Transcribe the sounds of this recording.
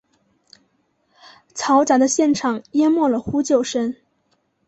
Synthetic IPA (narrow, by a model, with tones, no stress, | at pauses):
t͡sʰɑ˧˥ʊʈ͡ʂa˨˧˩d̪ə˧˦ɕjɛ˥˩nʈ͡ʂʰɑ˨˩ŋjɛ˥mwɔ˥˩lə˩xu˥t͡ɕjo˥˨˩ʊʂə˥n